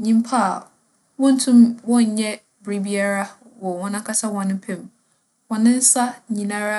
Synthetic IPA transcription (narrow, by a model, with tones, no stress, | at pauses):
ɲĩ˨m˦pʰa˦a˨ | wɔ̃˦n̩˦tʰũ˦mwɔ̃˦ɲ̩˨ɲɛ˦ | bɾi˦bi˦a˦ɾa˦ | wɔ˨wɔ̃˦nã˦kʰa˦sa˦wɔ̃˨nɪ̃˦pʰɛ̃˦˨m | wɔ̃˨nɪ̃˦n̩˦sa˦ɲĩ˨nã˦ɾa˦